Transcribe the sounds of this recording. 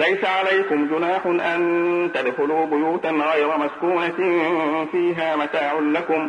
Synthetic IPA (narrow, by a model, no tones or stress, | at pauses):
lajsaʕalajkʊmd͡ʒʊnaːħʊnʔant̪ad̪fʊluːbʊjuːt̪anɣɑjɾˤɑmaskuːna | fiːɦaːmat̪aːʕʊnlakʊm